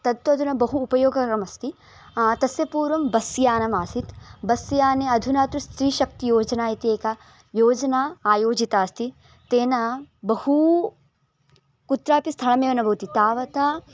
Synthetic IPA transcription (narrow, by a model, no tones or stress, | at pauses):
t̪ɐd̪ʋɐɐd̪ʱunɐbɐɦuːpɐjoːɡɐkɾɐmɐst̪i | t̪ɐsjɐpuːɾʋɐmbɐsjaːnɐmaːsit̪bɐsjaːneɐd̪ʱunaːt̪ɾust̪ɾiːʃɐk̚t̪ijoːd͡ʒɐnaːjit̪ieːkɐ | joːd͡ʒɐnaːaːjoːd͡ʒit̪aːst̪i | t̪eːnɐbɐhu | kut̪ɾaːpist̪ʰɐɭɐmeːʋɐnɐbʱɐwt̪it̪aːʋɐt̪a